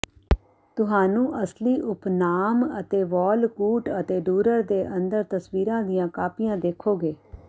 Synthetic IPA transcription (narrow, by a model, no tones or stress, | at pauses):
t̪ʊɦaːnũːʔəsliːʔʊpnaːmət̪eːʋɔːlkuːʈət̪eːɖuːɾəɾd̪eːʔənd̪əɾt̪əsʋiːɾãːd̪ɪjãːkaːpɪjãːd̪eːkʰːoːɡeː